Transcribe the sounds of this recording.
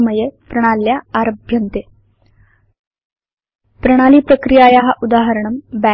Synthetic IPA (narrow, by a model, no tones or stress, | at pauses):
məjepɾəɽ̃aljaaɾəbʱjənt̪e | pɾəɽ̃aliːpɾəkɾijajaɦaʔud̪aɦəɾəɳəmbæ